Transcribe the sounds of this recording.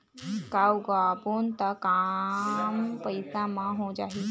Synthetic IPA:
kawɡabunt̪aka | mpəjsãmãɦõd͡ʒaɦi

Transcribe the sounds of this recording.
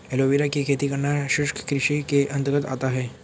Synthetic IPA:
eloʋiɾakekʰet̪iːkəɾɳaɕuʂkə̥kɾiɕikeʔənt̪əɡət̪a̰t̪aɦe

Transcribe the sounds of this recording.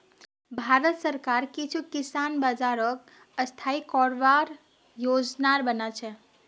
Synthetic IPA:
bʱaɾət̪səɾkaɾkit͡ʃʰukisanbad͡ʒaɾək | əst̪ʰaikɔɾʋaɾ | jod͡ʒnaɾbənat͡ʃʰɛ

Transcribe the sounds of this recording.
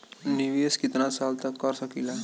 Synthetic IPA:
niʋieskit̪nasalt̪akːəɾsəkila

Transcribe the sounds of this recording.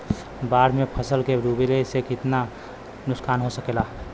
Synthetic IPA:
baɾmepʰəsəlkeɾubelesekɪt̪na | nʊskanɦosəkela

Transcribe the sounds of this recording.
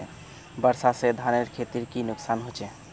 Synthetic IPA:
bəɾsased̪ʱaneɾkʰet̪iɾkinʊksanɦot͡ʃɛ

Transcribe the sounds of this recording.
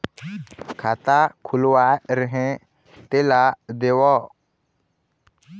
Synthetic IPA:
kʰat̪akʰʊlwaɾəɦẽ | t̪elad̪ewɔ

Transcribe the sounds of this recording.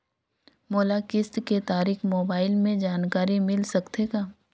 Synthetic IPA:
moːlakɪst̪ket̪aːɾiːxmoːbaːɪlmẽd͡ʒaːnkaːɾimɪlsɐkt̪ekaː

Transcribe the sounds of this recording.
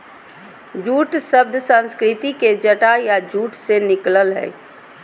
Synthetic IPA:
d͡ʒuːʈʃəbd̪ʱsə̃nskɾɪt̪iked͡ʒəʈajad͡ʒuːʈsenɪkləlɦɛ̰ː

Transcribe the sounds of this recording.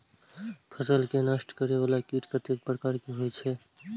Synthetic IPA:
pʰəsəlkenəsʈkəɾebalakiʈkət̪ek̚pɾəkaɾkiɦojt͡ʃʰɛ

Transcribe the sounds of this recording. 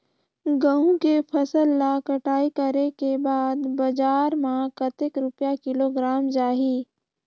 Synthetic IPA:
ɡəũkepʰəsəlːakɐʈaːikəɾekebaːd̪bɐd͡ʒaːɾmãkɐt̪ɪkɾʊpjakɪloɡɾaːmd͡ʒaːɦiː

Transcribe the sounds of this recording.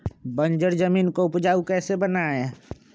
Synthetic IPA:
bə̃nd͡ʒəɾd͡ʒəmiːnkoʊpd͡ʒaːukɛːsebənaẽ

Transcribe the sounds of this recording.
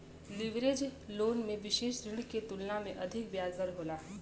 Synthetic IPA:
lɪʋɾeːd͡ʒloːnmẽʋɪʃeːʃɾɪɽ̃ket̪ʊlnamḛ̃ʔɐd̪ʱɪk̚bjaːzəɾɦoːlaː

